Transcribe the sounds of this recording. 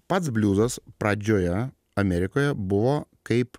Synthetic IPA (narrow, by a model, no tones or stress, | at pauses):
pɐt̪sbʲlʲuːzɐspɾɐd͡ʒʲoːjɛ | ɐmʲɛɾʲɪkoːjɛbʊʋoːkɐɪp